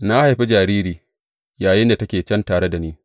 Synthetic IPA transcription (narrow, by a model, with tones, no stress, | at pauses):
na˦ha˨ɸi˦d͡ʒaː˨ɾiː˦ɾiː˨ | jaː˨jɪ˦nda˨tɐ˦kʲeː˨t͡ʃɛ˦ntaː˨ɽe˦da˨niː˦